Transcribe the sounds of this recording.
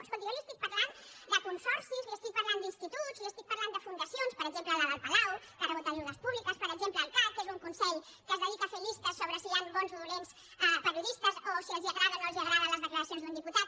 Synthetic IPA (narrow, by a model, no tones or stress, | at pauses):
kskolt̪ikaliəst̪ik̚pɐɾland̪əkunsɔɾsizliəst̪ik̚pɐɾland̪inst̪it̪uzliəst̪ik̚pɐɾland̪əfund̪əsionspəɾəɡzempləðəðəlˠpalawkərəβut̪aʒuðəspuβlikəspəɾəɡʒempləːlˠkakezuŋkunsɛʎ | kəzðəðikəːfelist̪əsːoβɾəsianbɔnzðuɾens | ɛpəɾiuðist̪əzosiɛlˠziəɣɾaðənoelˠziəɣɾaðələzðəkləɾəsionzðund̪iput̪at̪̚